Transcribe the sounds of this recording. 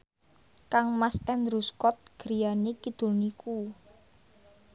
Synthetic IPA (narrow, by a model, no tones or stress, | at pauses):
kaŋmasɛnd̪ɾuskɔt̪̚ɡ̥ɾijanikid̪̥o̤lniku